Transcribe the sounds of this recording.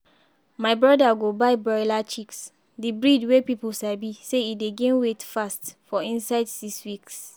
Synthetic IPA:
maɪbɹɔdaɡobaɪbɔjlat͡ʃiks | dibɹidwepipuʃaɪbiseideɡẽnwetfastfɔĩnsaɪdsikswiks

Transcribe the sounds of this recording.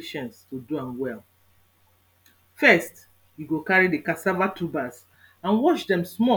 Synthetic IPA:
ʃɔ̃nstuduãnwɛl | fɛst | juɡokaɹidekasavatubas | ãnwɔʃdɛ̃msmɔ

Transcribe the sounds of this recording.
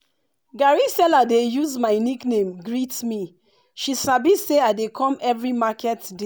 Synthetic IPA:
ɡaɹisɛladejuzmaɪniknẽmɡɹitmi | ʃisabiseaɪdekʰɔ̃mɛvɹimakʰɛtde

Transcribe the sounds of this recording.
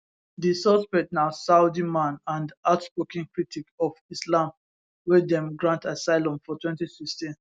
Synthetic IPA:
disɔspɛtnaʊsaʊdimãnãndaʊtspokĩŋkɹitʰikɔfislãm | wɛdɛ̃mɡɹãntasaɪlɔ̃mfɔtʰwɛ̃ntisikstĩn

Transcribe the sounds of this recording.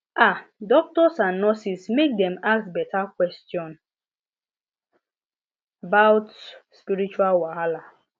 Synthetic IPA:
adɔk̚tɔsãnːɔsismek̚dɛ̃maksbɛtakwɛstjɔ̃n | abaʊtspiɾit͡ʃualwaɦala

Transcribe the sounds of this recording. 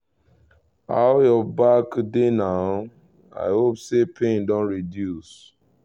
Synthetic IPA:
a̰jɔbakdenaʊ | a̰ɪhopsepʰẽndɔ̃nɹidjus

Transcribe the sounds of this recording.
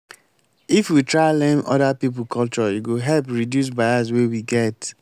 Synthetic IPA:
ifwitʰɹaɪlɛ̃nɔ̰ɾapip̬l̩kʰɔlt͡ʃɔjuɡoɦɛlpɹidjus̬baɪas̬wewiɡɛt

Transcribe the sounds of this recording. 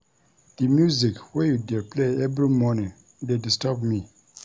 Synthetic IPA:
d̥imjuzikwɛjudɛpʰleɛvɹimɔnĩŋ | dedistɔbmi

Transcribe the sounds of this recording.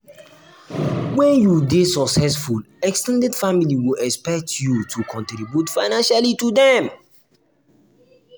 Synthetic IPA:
wɛ̃njudesɔksɛsful | ɛkstɛ̃ndɛdfamiliwilɛkspɛk̚tʰjutʰukʰɔ̃ntɾibjutfaɪnãnʃalitudɛm

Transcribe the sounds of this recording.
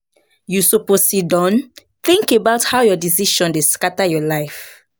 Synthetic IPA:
jusoposidɔ̃n | θĩŋkebaʊthawjɔdisiʃɔ̃ndeskatajɔlaɪf

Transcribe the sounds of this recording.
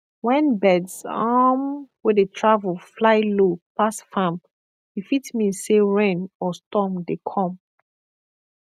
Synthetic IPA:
wɛ̃nbɛdsamwedetʰɹavəlflaɪlopasfãm | ifitmĩnseɹẽnɔstɔmdekʰɔ̃m

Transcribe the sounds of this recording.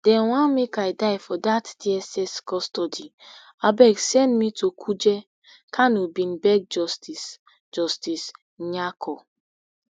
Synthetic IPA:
d̥ɛ̃nwãnmekaɪdaɪfɔdatdiɛsɛskɔstɔdi | abɛksɛ̃ndmitʰokʰud͡ʒɛ | kʰanubĩnbɛɡ̚d͡ʒɔstis | d͡ʒɔstis | ɲakʰɔ

